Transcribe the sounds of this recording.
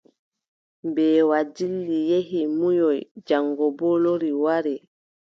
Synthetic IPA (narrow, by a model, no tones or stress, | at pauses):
mbɛːwad͡ʒilːijeɦimujɔjd͡ʒaŋɡɔbɔloɾiwaɾɛ